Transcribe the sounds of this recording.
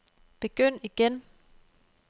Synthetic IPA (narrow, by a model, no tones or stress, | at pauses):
b̥e̝ɡ̥øn̰iɡ̥en